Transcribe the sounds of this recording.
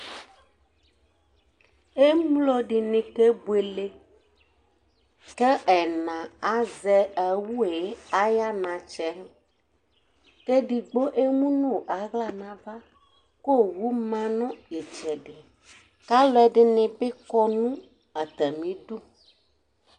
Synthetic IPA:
e˦mlɔ˦ɖi˨nĩ˨ke˦bwe˨le˦ | kɛ˦ʔɛ˨nã˨a˦zɛ˦ɛ˨wu˦e˨˦a˦ja˦nã˨t͡ʃɛ˦ | ke˦ɖi˨ɡ͡bo˦ʔe˦mũ˦nõ˦˨ʔa˨ɣla˨nã˨va˦ | ko˦˨wu˦mã˦nɔ̃˦je˨t͡ʃɛ˨ɖɪ˨ | ka˦lɔ˦ɛ˨ɖɪ˦nɪ̃˨be˦kɔ˦nũ˦ | a˨t̪ɛ˨mĩ˨˦d̪u˦

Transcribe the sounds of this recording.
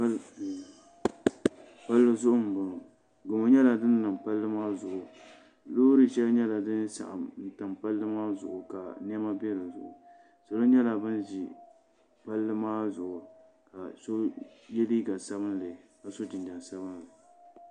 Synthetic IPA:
pa˦lːɨ˦zʊ˦ʔʊ˦m̩˨bʊ˨nʊ˨ | ɡo˨ma˨ɲɛ˦la˨dɨ˦n˦lɨ˨mpa˦lːɨ˦maː˦zʊ˨ʔʊ˨ | loː˦ɾɨ˨ʃɛ˦lɲɛ˦la˨dɨ˦nsa̰˨ʔa̰˨n̩˨ta˨mpa˦lːɨ˦maː˦zʊ˨ʔʊ˨ka˨n˦ɛ˦ma˦bɛ˦ɾɨ˨zʊ̰˨ʔʊ̰˨ | sa˨lo˦ɲɛ˦la˨bɨ˦nd͡ʒi˨ | pa˦lːɨ˦maː˦zʊ˨ʔʊ˨ | ka˨so˦jɛ˦li˦ɡa˨sa˦bɨ˦nlɨ˨ka˨so˦d͡ʒɪ˨nd͡ʒa˨n˨sa˦bɨ˦nlɨ˨

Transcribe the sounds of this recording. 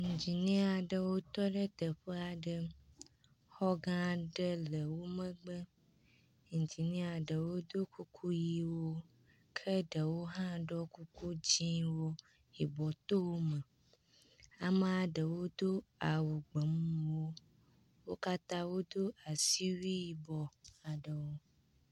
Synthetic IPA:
ŋ̩̃˨d͡ʑi˨nĩ˦a˨ɖə˨wo˦t̪ɔ˦ɖə˦t̪ə˨ɸə˦a˨ɖə˦ | xɔ˦ɡã˦ɖə˦lə˨wo˦mə̃˦ɡ͡bə˦ | ŋ̩˨d͡ʑi˨nĩ˦a˨ɖə˨wo˦d̪o˦kʰu˦kʰu˦ji˦wo˦ | kʰə˦ɖə˨wo˦ɦã˦ɖɔ˦ku˦ku˦d͡ʑĩ˦wo˦ | i˨bɔ˨t̪o˦wo˦mə˨ | a˨mə˨a˨ɖə˨wo˦d̪o˦a˨wu˨ɡ͡bə˨mũũ˨wo˦ | wo˦ka˦t̪ã˦wo˦d̪o˦a˨si˦wi˦ji˨bɔ˨a˨ɖə˨wo˦

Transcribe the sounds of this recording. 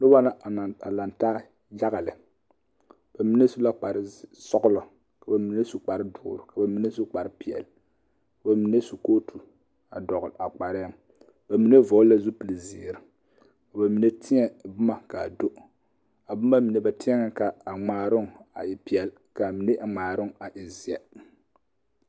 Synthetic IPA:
nɨ˦wa˦na˦˨a˨la˨ntaː˦ | ja˦ɣa˨lɨ˨ | b̥a˨mi˦ne˦su˦la˦k͡pa˨ɾɨ˦sɔ˦ɡʊ˦lɔ˨ | ka˨ba˨mi˨ne˦su˦k͡pa˨ɾɨ˦dʊː˨ɾʊ˨ka˨ba˨mi˦ne˦su˦k͡pa˨ɾɨ˦pi˨ɛ̰˨l | ka˨ba˨mi˨ne˦su˨koː˦tʰu˨ | a˨dɔ˨ɣa˨k͡pa˨ɾɛ˦m | ba˨mi˨ne˦vo˨˦la˦zu˦pɨ˨lɨ˨ziː˨ɾɨ˨˦ | ka˨ba˨mi˨ne˦tɪ˦ɲɛ˦bʊ˦ma˨ka˨do˦ʔ | a˨bʊ˦ma˦mi˨ne˨˦ba˨tɪ˦ɛ˦ŋa˦ka˨a˨ŋ͡maː˨ɾʊ˦ŋ˨a̰˨ɪ˨pi˨ɛ˨l | ka˨mi˨ne˦ʔa˨ŋ͡maː˨ɾɨ˦ŋ˨a˨ʔi˨zi˨ɛ˨

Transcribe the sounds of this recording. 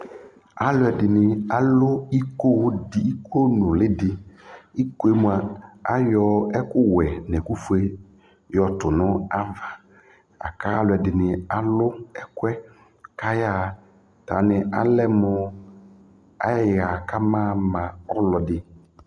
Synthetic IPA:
a˦lʊ˨˦ɛ˨dɪ˨nɪ˨a˦lʊ˦i˦ko˦di˨i˦kʰo˦nʊ˨lɪ˦dɪ˨i˦ko˦e˦mu˨a˨a˦jɔ˦ɛ˦kʊ˦wɛ˨nɛ̃˨ku˦fu˦e˦ | jɔ˨tʊ˨nʊ˦a˦va˨ | a̰˨ka˦a˦lʊ˨ɛ˨dɪ˨nɪ˨a˨lʊ˦ɛ˦kʊ˦ɛ˦ | ka˦jaː˦˨ | ta˨nɪ˨a˦lɛ˦mʊ˨ | a˦ja˦jɣa˨ka˦mãː˦mã˨ɔ˦lɔ˨dɪ˨

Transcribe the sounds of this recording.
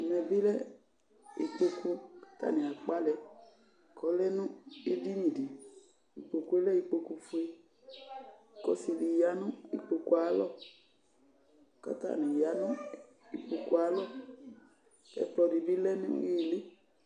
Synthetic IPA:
m˨ɛ˨bi˦lɛ˦ | ḭ˨k͡po˧ku˧kḁ˨˦ta̰˦˨nĩ˨a˨k͡pa˦lɛ˨ | kɔ˨˦lɛ˦nũ˦e˦di˦nĩ˨di˨ | i˨k͡po˨ku˦e˦lɛ˦i˨k͡po˧ku˧fu˦e˦˨ | kɔ̰˦si˨li˨ja˨˦nũ˦ḭ˨k͡po˨ku˦a˨˦lɔ˦˨ | ka̰˦ta̰˦˨nĩ˨ja˨˦nũ˦ | i˨k͡po˧ku˦a˨˦lɔ˦ | lɛ̰˨˦plɔ˧di˨bi˦lɛ˦nṵ̃˦je˦˨le˦

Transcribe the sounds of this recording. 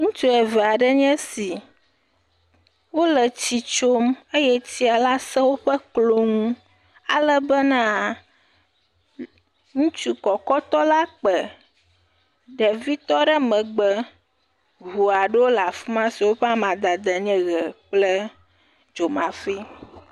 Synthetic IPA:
ŋũ˦t͡ʃu˦ɛ˨vɛ˨a˨ɖɛ˦ɲɛ̃˦si˨ | wo˦lɛ˨t͡ɕi˨t͡ʃo˦me˦jɛ˦ti˦a˨la˦sɛ˦wo˦ɸɛ˦klo˦ŋũ˦ | a˨lə˦bɛ˦nã˦ | ŋũ˦t͡ʃu˦kɔ˨kɔ˦t̪ɔ˦la˦k͡pɛ˨ | ɖɛ˨vi˦t̪ɔ˦ɖə˦mɛ̃˨ɡ͡bɛ˦ | ɣu˨a˨ɖɛ˦wo˦la˨fu˦mã˦si˨wo˦ɸɛ˦a˦mã˨d̪a˨d̪ɛ˨ɲɛ̃˦ɣɛ˨k͡plɛ˦ | d͡ʒo˨mã˨fi˦

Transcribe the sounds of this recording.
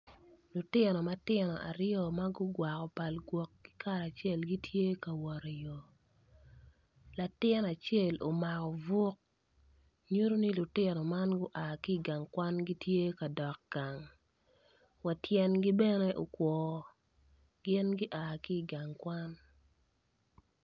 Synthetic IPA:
lʊ˨tɪ˦nɔ˨ma˦tɪ˦nɔ˨ʔa̰˨ɾjɔ˨ma˦ɡʊ˦ɡwa˨kɔ˨pa˨lɡwɔ˨k̚ːɪ̥˦ka˦ɾa˨t͡ʃɛ˦˨lɡi˦tʰje˦ka˨wɔ˨ɾjo˨ | la˨tɪ˦na˨t͡ʃɛ˦˨lo˨ma˨kɔ˨vʊ˦k̚ | ɲu˦ɾo˦ni˦lʊ˨tɪ˦nɔ˨ma˦nɡʊ˦ʔa˨kɪː˦˨ɡa˨ŋkwa˦nɡi˦tje˦ka˨dɔ˨k̚ɡ̥a˨ŋ | wa˨tjɛ˦nɡi˦bɛ˦ne˦ʔo˨kwɔː˨ | ɡ̥ɪ˦nɡi˦ʔa˨kɪ˦˨ɡa˨ŋkwa˦n

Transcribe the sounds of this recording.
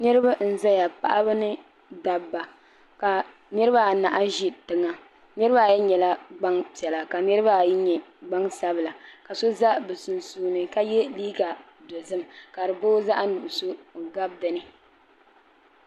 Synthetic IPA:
nɨ˦ɾɨ˦ba˦n̩˦za˦ja˨pa̰˨ʔa˦bɨ˦nɨ˦ | da˨bːa˨ | ka˨ | nɨ˦ɾɨ˦ba˦˨na˨ʔa˦ʒi˦tɨ˨ŋa˨ | nɨ˦ɾɨ˦ba˦˨jɛ˦ɲɛ˨la˦ɡ͡ba˦ŋpi˨ɛ˨la˨ka˨nɨ˦ɾɨ˦ba˦˨jɛ˦ɲɛ˨ɡ͡ba˦ŋsa˦bɨ˨la˨ka˨so˦za˦bɨ˨sʊ˨nsuː˨nɨ˨ka˦jɛ˦liː˦ɡa˨ | do˨zɨ˦mka˨ɾɨ˨bo˦za˦ʔa˦nu˨ʔʊ˨so˦˨ɡa˦b̚dɨ˨nɨ˦

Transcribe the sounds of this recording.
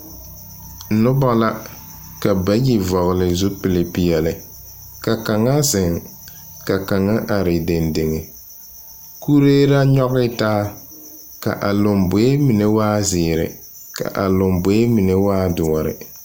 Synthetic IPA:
n̩˨nʊ˦ba˦la˦ | ka˨ba˦ji˨vɔ˨ɣlɪ˨zu˦pɪ˨le˨pi˨jɛ˨lɪ˨ | ka˨ka˨ŋa˦zɪ˨ŋ | ka˨ka˨ŋa˦ʔa˨ɾɪ˨de˨nde˨ŋe˨ | ku˦ɾeː˦ɾa˦ɲɔ˦ɣɪ˦taː˦ | ka̰˨ʔa˨lʊ˨mbʊ˨˦e˦mi˨ne˦waː˦zɪː˨ɾɪ̰˨ | ka̰˨ʔa˨lʊ˨mbʊ˨˦e˦mi˨ne˦waː˦dʊ˨ɔ˨ɾɪ̰˨

